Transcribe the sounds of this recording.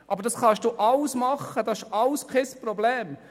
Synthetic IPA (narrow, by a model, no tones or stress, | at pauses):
ʔɑbəɾdɑsχɑʃd̥uːʔɑlsmɑχəd̥ɑɪʃʔɑlskʰɛspɾobleːm